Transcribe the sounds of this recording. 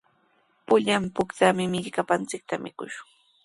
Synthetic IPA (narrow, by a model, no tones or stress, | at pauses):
pʊʎampʊkt̪amɪmɪʎkapant͡sɪk̚t̪amɪ̰kʊʃʊ̥ŋ